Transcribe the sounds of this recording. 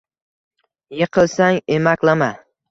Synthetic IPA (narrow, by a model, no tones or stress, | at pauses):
jeqʰɨlˠsaŋemakʲlama